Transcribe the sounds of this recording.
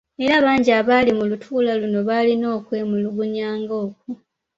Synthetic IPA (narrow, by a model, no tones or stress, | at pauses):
e̞ɾaːβaːɲɟiaβalimulutʰuːlaluno̞βaːlino̞ːkwe̞muluɡuɲaːŋɡo̞ːk̚u